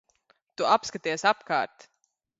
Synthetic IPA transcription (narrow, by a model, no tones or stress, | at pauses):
t̪uapskat̪iːɛsapka̰ːɾt̪